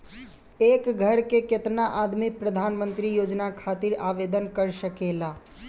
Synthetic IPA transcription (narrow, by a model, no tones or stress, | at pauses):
ekɡʱəɾkeket̪naʔad̪mipɾəd̪ʱanmənt̪ɾijod͡ʒnakʰat̪iɾaʋed̪ənkəɾsəkela